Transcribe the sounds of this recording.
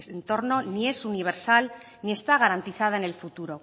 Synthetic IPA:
sent̪o̞ɾno̞nie̞suniβ̞e̞ɾsal | nie̞st̪aɣ̞aɾant̪iθað̞aene̞lfut̪uɾo̞

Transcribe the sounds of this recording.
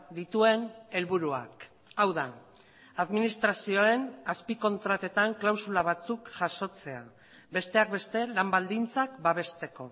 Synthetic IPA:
d̪it̪ue̞ne̞lβuɾua̰k | awða | aðminist̪ɾasio̞e̞naspiko̞nt̪ɾat̪e̞t̪aŋklawsulaβ̞at͡sukʝaʃo̞t͡se̞a | be̞st̪e̞ak̚be̞st̪e̞lambald̪int͡sakbaβ̞e̞st̪e̞ko̞

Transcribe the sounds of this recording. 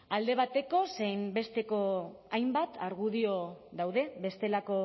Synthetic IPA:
ald̪e̞β̞at̪e̞ko̞sejmbe̞st̪e̞ko̞ | ajmbat̪aɾɣuðio̞ðawðe̞βe̞st̪e̞lako̞

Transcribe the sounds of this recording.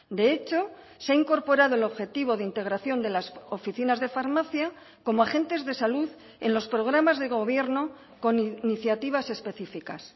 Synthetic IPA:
d̪e̞e̞t͡ʃo̞ | seaiŋko̞ɾpo̞ɾaðo̞e̞lo̞βxe̞t̪iβ̞o̞ðeint̪e̞ɣ̞ɾaθjo̞nd̪e̞lasofiθinazðe̞faɾmaθja | ko̞moaχe̞nt̪e̞zðe̞saluð | e̞nlo̞spɾo̞ɣ̞ɾamazðe̞ɣo̞βje̞ɾno̞ | ko̞nniθjat̪iβ̞ase̞spe̞θifikas

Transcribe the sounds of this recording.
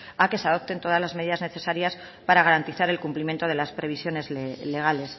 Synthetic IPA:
ake̞seaðo̞p̚t̪e̞nt̪o̞ð̞azlazmeðiðazne̞θe̞saɾjas | paɾaɣ̞aɾant̪iθaɾe̞lkumplimje̞nt̪o̞ð̞e̞laspɾe̞β̞isjo̞ne̞zlle̞ɣale̞s

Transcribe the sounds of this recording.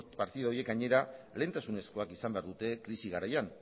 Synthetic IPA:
paɾt̪iðaojie̞kɡaɲe̞ɾale̞ːnt̪asune̞sko̞akisambe̞aɾðut̪e̞kɾisiɣ̞aɾajan

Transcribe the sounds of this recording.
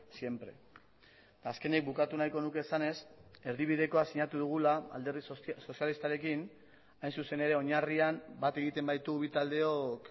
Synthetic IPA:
sje̞mpɾe̞̰ | t̪aːske̞nek̚bukat̪unajko̞nuke̞ːsane̞se̞ɾðiβ̞iðe̞ko̞asiɲat̪uð̞uɣ̞ulaa̰ld̪eɾðisso̞sjalist̪aɾe̞kin | ajnsuse̞ne̞ɾe̞o̞ɲariambat̪e̞ɣ̞it̪e̞mbajt̪uβit̪ald̪e̞o̞k

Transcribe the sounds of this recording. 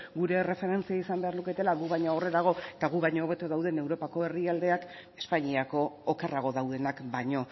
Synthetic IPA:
ɡuɾe̞re̞fe̞ɾe̞nt͡siaisambe̞aɾluke̞t̪e̞laɣuβajɲaore̞ðaɣ̞o̞et̪aɣuβajɲooːβe̞t̪oðawðe̞ne̞wɾo̞pako̞e̞riald̪e̞ak | e̞spaɲiako̞ːkeraɣ̞o̞ðawðe̞nakbajɲo̞

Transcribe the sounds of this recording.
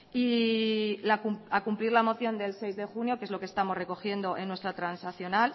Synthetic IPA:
i | lakumakumpliɾlamo̞θjo̞nd̪e̞lse̞jzðe̞xunjo̞ke̞zlo̞ke̞st̪amozre̞ko̞xje̞nd̪o̞ʔe̞nːwe̞st̪ɾat̪ɾansaθjo̞nal

